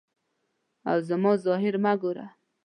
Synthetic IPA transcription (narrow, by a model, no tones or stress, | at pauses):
a̰wzəmɔzɔɦɪɾmaɡoɾa̰